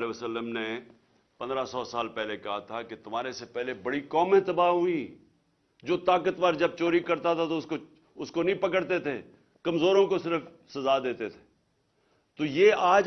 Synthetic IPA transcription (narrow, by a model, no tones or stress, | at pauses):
leəsəlːəmne | pɐ̃nd̪ɾasɔːsaːlpɛːlekɐɦat̪ʰaket̪ʊm̤aːɾesepɛɦlebɐɽikɔːmẽt̪ɐbaːɦʊi | d͡ʒoːt̪aːkət̪ʋaːɾd͡ʒɐb̚t͡ʃoːɾikɐɾt̪at̪ʰat̪oʊsko | ʊskonɐɦĩpɐkəɽt̪et̪ʰeː | kɐmzoːɾõkosɪɾəf | sɐzad̪eːt̪et̪ʰe̥ː | t̪oːjeːaːd͡ʒ